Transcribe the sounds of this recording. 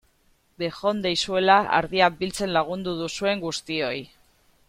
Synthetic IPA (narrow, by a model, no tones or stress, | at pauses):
be̞xo̞nd̪ejsue̞laa̰ɾðiak̚bilt͡se̞nlaɣ̞und̪uðusue̞ŋɡust̪io̞j